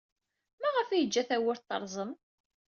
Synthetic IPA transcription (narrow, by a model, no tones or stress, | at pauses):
mæʁəfijəd͡ʒːæθæwəɾt̪ːə̰ɾˤzˤəm